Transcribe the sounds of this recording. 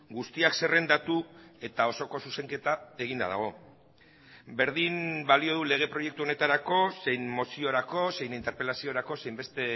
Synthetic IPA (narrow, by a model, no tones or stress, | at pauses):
ɡust̪iakse̞re̞nd̪at̪ue̞t̪ao̞so̞ko̞suse̞ŋke̞t̪ae̞ɣ̞ind̪a̰ða̰ɣ̞o̞ | be̞ɾðimbalio̞ðule̞ɣ̞e̞pɾo̞je̞k̚t̪uo̞ne̞t̪aɾako̞se̞jnmo̞sio̞ɾako̞se̞jnint̪e̞ɾpe̞lasio̞ɾako̞se̞jmbe̞st̪e̞